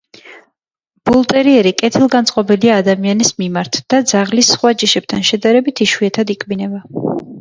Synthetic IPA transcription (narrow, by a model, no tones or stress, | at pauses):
b̥ulˠt̪ʼɛɾiɛɾikʼɛt̪ʰilˠɡant̪sʼqʼɔbiliaːd̪amianismimaɾt̪ʰd̪̥ad̪zaʁlisːχwad͡ʒiʃɛb̚t̪ʰanʃɛd̪aɾɛbit̪ʰiʃwiɛt̪ʰad̪ikʰʼbinɛba